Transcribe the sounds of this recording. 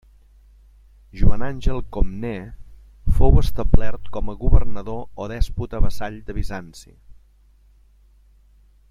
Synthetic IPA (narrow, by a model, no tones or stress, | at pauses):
ʒuananʲʒɛlˠkomnɛ | fowəst̪əblɛrt̪kɔməɣuβərnəðooðɛsput̪əβəsaʎd̪əβizansḭ